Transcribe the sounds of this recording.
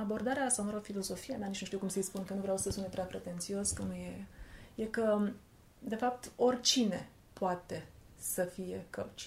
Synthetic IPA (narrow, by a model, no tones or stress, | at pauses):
abo̞rd̪aɾeast̪awnaɾofilo̞zo̞fijenanit͡ʃnuʃt̪iukumsejspunkənuvɾawsəsunt̪epɾeapɾe̞t̪e̞nt̪sio̞skənujeje̞kə | d̪e̞fap̚t̪o̞rʲt͡ʃine̞ | poat̪e̞ | səfije̞kət͡ʃ